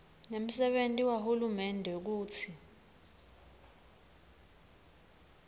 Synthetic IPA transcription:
nem̩sɛɓentʼiwahulumɛndʱɛk̬uːt͡sʰi

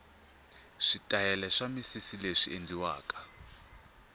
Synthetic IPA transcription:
ʂitʼajɛlɛʂamisisileʂiendiwa̰ːkḁ

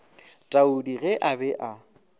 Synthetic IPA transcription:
tʼaudiɣɛʔabɛʔa

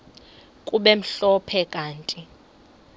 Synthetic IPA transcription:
kʼuɓɛm̩ɬɔpʰɛkʼaːntʼi

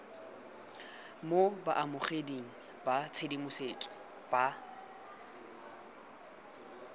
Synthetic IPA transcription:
moba̰ʔamʊχediŋ̩ | bat͡sʰedimʊset͡sʼɔ̥ | b̥a

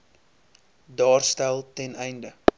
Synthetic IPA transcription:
dɑːrstælˠtɛnɛjndə

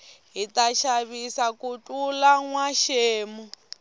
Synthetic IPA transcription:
ɦitaʃaβisakutʼulaŋwaʃeːmu

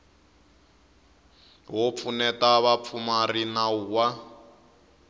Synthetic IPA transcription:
ɦɔp̪fʰunɛtaβap̪fʰumarinauːwa

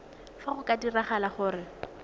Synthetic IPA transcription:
faχʊkʼadiraχalaχʊːɾɪ

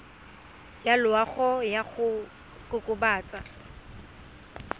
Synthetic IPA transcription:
jalʊaχɔjaɣʊ | kʼʊkʼʊbaːt͡sʼa

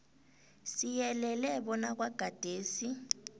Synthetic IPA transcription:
sijɛlɛlɛɓɔnak̬waɡ̥ʱad̥ʱeːsi

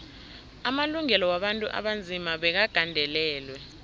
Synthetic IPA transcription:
amaluŋɛlɔwaɓantʼuʔa̰ɓand͡zʱimaɓɛk̬aɡ̥ʱandʱɛlɛːlwɛ

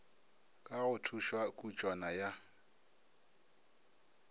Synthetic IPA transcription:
kʼaɣʊtʰuʃwakʼut͡ʃʼwanaja

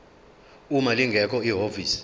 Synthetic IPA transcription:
umaliŋɡʱɛkʰɔiɦoviːsi̥

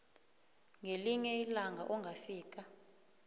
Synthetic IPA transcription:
ŋʱeliɲɛilaŋʱaʔɔŋɡʱafiːk̬ʼa

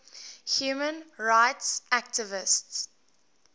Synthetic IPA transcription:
hjuːmə̃nɹaɪtsʔæk̚tʰɪvɪsts

